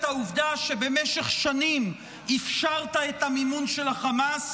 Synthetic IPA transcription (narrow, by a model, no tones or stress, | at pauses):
tauvdaʃebe̞meʃeχʃanim | ifʃaʁtaet̪hamimunʃelaχamas